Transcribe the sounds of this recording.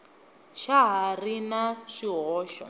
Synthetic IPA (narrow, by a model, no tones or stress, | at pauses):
ʃaɦarinat͡ʃiɦɔːʃɔ̰